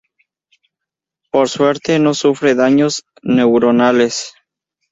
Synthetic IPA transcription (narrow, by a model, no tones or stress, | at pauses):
po̞ɾswe̞ɾt̪eno̞sufɾe̞ðaɲo̞z | ne̞wɾonale̞s